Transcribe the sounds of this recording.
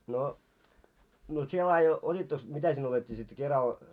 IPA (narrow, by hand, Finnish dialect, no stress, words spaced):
no no sie lɑːje otʲitːoks mitæ sinːe otetːiː sit kerɑl